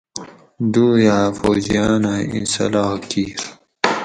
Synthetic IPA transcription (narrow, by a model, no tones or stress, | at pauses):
d̪uːjaːfoːd͡ʑijaːnaḭ̃nsɐ̰lɑːkiːɾ